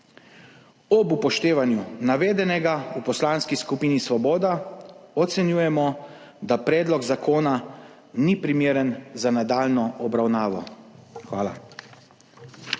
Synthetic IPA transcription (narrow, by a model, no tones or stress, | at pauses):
ɔbupɔʃt̪eːʋanjunaʋeːd̪ɛnɛɡaupɔslaːnskiskupiːnisʋɔbɔːd̪aɔt̪sɛnjuːjɛmɔ | d̪apɾɛːd̪lɔɡzakoːna | nipɾimjeːɾənzanad̪aːlnɔɔbɾawnaːʋɔ̰xʋaːla